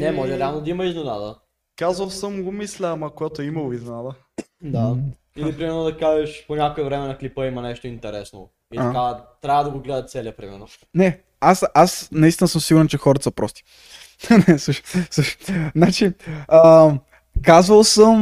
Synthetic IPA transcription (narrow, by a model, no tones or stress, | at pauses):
nɛmɔʒɛɾɛalˠnod̪ɐimɐiznɛnad̪ə̰ | kazvɐlˠsəmɡomislʲɛːmɐkojat̪oɛimɐɡizɛnad̪ə | d̪a | ilipɾimɛɾnod̪ɐkaʒɛʃpoɲʲakoɛvɾɛmɛnɐklipəimɐnɛʃt̪oint̪ɛɾɛsno̰ | ikavt̪ɾʲavəd̪ɐɡoɡlɛd̪ɐt̪t̪sɛlɐpɾimɛ̰ɾno | nɛ | asasnɐist̪inəsɤmsiɡʊɾɛnt͡ʃɛxɔɾɐt̪ə̥sɐpɾʔɔst̪i̥ | nɛsuʃsuʃnat͡ʃiə | kazvəlˠsəm